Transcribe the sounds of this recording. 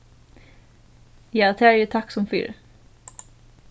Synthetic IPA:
jɑːt̪ʰæːɾjət̪ʰakːsɔmfʏ̰ɾ

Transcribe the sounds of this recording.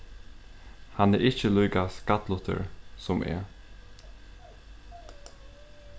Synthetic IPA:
hɑneːʔɪçəlyːɡɑskɑt̪lɔt̪ʰə̰ɹsɔmʔḛː

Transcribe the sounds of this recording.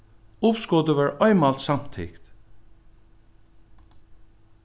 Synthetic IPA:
ʊpskɔd̪əʋæːɹɔɪmɑlt̪sam̥t̪ʰɪ̰kt̪

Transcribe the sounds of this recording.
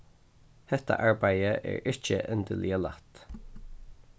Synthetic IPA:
hɛt̪ʰa̰ʔaɹbajəʔɛ̰ɹɪt͡ʃə̰ʔənd̪ɪljəlat̪

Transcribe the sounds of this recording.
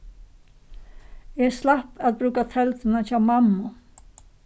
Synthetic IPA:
ɛɾslahpaðbɾʉːkat̪ʰɛlt̪ɪnat͡ʃʰaːwmamːʊ

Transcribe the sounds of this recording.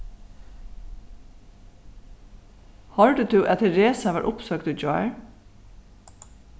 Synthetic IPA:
hɑːɹɖʉːt̪ʰʉːʔɛt̪əɹeːsɑʋɑ̰ːɹʔʊpsøːɡ̚t̪ʉːd͡ʒɑɪɹ

